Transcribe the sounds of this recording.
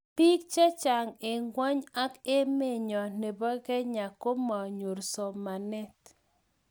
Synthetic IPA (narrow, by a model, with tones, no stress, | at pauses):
pi˦k̚t͡ʃa˦t͡ʃa˨ŋe˨ŋɡwɔ˦ɲa˦ke˦me˦˨ɲɔ˨ne˨bɔ˦kɛ˦ɲa˨ko˦mɔ˨ɲu˨ɾsɔ˨ma˨nɛ˦t